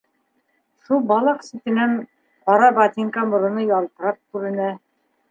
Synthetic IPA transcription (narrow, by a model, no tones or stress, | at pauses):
ʃulˠbɑlˠɑqsit̪ɘ̆næn | qɑɾɑbat̪iŋkamŏɾɤ̆nɤjɒlˠt̪ɤ̆ɾɑp̚kʉɾɘ̆næ